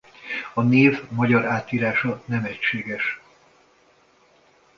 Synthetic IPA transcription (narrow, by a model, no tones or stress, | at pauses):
ɒneːvmɒɟɒɾaːt̪iːɾaːʃɒnɛmɛcʃeːɡɛʃ